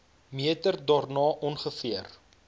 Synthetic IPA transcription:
miətərdɑːrnɑːʔɔnχəfiər

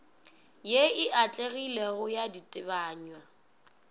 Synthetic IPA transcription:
jeɪʔat͡ɬʼeɣileɣʊjaditʼɪβaːɲwa

